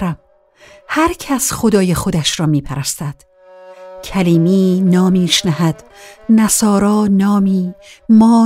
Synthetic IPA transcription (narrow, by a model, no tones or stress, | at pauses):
ɾæm | hæɾcʰæsxo̞d̪ɒːjexod̪æʃɾɒːmiːpʰæɾæst̪æd̪̥ | cʰæliːmiːnɒːmiːʃnæhæd̪̥ | næsɒːɾɒːnɒːmiːmɒː